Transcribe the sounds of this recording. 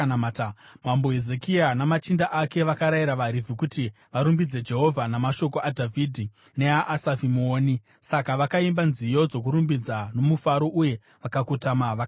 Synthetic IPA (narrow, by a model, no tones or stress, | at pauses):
atamamboɦezekianamat͡ʃindaʔake̞ʋakaɾaiɾaʋaɾivikuti | ʋaɾumbid͡ze̞d͡ʒe̞ɦo̞vʱanamaʃo̞koʔadʱavʱiːdʱi | ne̞aʔasavimoːni | sakaʋakaimbanzijo̞d͡zo̞k̬uɾumbid͡zano̞mufaɾo̞ʔuje̞ | ʋakakutamaʋa